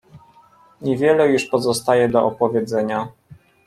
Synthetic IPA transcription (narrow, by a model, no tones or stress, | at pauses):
ɲɛvʲjɛlɛjuʂpɔzɔst̪ajɛd̪ɔʔɔpɔvʲjɛd̪zɛɲa